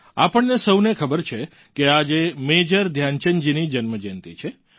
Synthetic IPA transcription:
apəɳnesəwnekʰəbəɾt͡ʃʰe | kead͡ʒemed͡ʒəɾd̪ʱjant͡ʃənd͡ʒinid͡ʒənməd͡ʒent̪ḭt͡ʃʰe

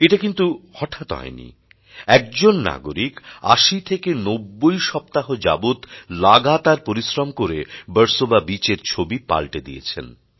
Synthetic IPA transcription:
eʈakint̪uhɔʈʰat̪ɦɔ̰enḭ | ɛk̚d͡ʑonːa̰ɡo̰ɾika̰ʃit̪ʰekenobːojʃɔp̚t̪aɦod͡ʑa̰but̪laɡat̪aɾpoɾisɾomkoɾebəɾsobabit͡ɕeɾt͡ɕʰobipa̰lʈed̪iḛt͡ɕʰḛn

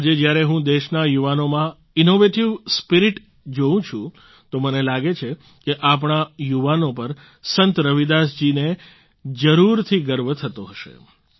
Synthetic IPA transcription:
ad͡ʒed͡ʒjaɾeɦũd̪eʃnajuʋanomã | inoʋeʈiʋspiɾiʈ | d͡ʒoũt͡ʃʰũ | t̪omənelaɡet͡ʃʰe | keʔap̬ɳ̃ajuʋanopəɾ | sənt̪ɾəʋid̪asd͡ʒine | d͡ʒəɾuɾt̪ʰiɡəɾʋət̪ʰət̪oɦəʃḛ

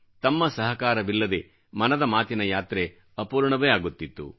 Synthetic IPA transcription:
t̪ɐmːɐsɐɦɐkaːɾɐʋilːɐd̪e | mɐnɐd̪ɐmaːt̪inɐjaːt̪ɾe̞ | ɐpuːɾɳɐʋejaːɡut̪ːit̪ːṵ

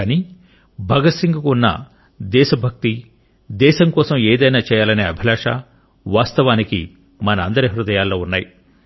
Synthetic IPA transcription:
aniː | bʱɐɡɐsiŋɡɐkuunːɐ̰ | d̪ɛːʃɐbʱɐk̚t̪i | d̪ɛːʃɐmkɔːsɐmeːd̪ɐjnaːt͡ʃɛːjaːlɐneːɐbʱilaːʂa̰ | ʋaːst̪ɐʋaːnikḭ | mɐnɐːnd̪ɐɾiɐɦɾud̪ɐjaːlːo̞ːunːaːji

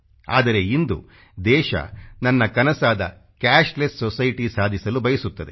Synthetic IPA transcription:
a̰ːd̪ɐɾe̞ind̪ṵ | d̪ɛːʃɐ̰nɐnːɐkɐnɐsaːd̪ɐ̰ | kaːʃʈlessɔsɐjʈisaːd̪ʱisɐlubɐjɐsut̪ːɐd̪ḛ

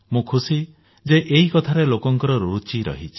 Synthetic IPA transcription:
mũkʰusi | d͡ʒeʔeikɔt̪ʰaɾelokɔŋkɔɾɔɾut͡ʃiɾɔ̰ɦit͡ʃʰi̥

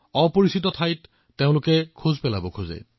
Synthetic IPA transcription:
ɔpoɹisit̬ɔtʰajtː | eʊ̃lʊkɛkʰuzpɛla̰bɔkʰuzḛ

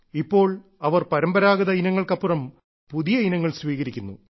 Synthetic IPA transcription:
ipːo̞ːɭ | ɐʋɐrpɐɾɐmbɐɾaːɡɐðɐinɐŋːɐɭkɐpːurɐm | puðijɐinɐŋːɐɭsʋiːɣɐɾikʲːunːṵ

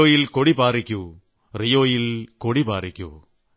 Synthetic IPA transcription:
oːjɪlkɔɽipaːɾɪkʲːu | rɪjoːjɪlkɔɽipaːɾɪkʲːṵ

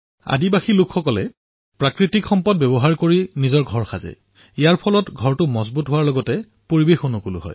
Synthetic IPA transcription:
a̰dibaxilʊkʰxɔkɔlɛ | pɹakɹitikxɔmpɔd̚bɛbɔɦaɹkoɹinizɔɹɡʱɔɹxazɛ̰ | ijaɹpʰɔlɔtɡʱɔɹtʊmɔzbutɦʊwaɹlɔɡɔtɛ | poɹibexonʊkulʊɦɔ̰j

